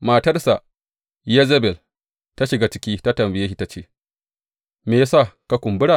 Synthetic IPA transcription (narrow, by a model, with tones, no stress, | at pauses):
maː˨tɐ˦rsa˨ | je˦ze˦bɛ˨l | ta˦ʃɪ˨ɡa˦t͡ʃɪ˦kʲiː˦ta˦tɐ˨mbɪ˨je˦ʃi˦ta˦t͡ʃeː˦ | meː˨ja˦sa˦˨ka˦kʷʊ˨mbʊ˦ɽa˨